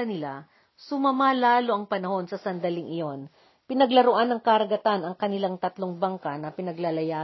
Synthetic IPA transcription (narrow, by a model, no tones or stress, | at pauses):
ɐnɪla | sʊmɐmalaːlo̞ʔɐŋpɐnɐho̞nsɐsɐnd̪ɐlɪŋʔɪjo̞n | pɪnɐɡlɐɾoʔanːɐŋkɐɾɐɡɐt̪anɐŋkɐnɪlaŋt̪ɐt̪lo̞ŋbɐŋkɐnɐpɪnɐɡlɐlɐjaː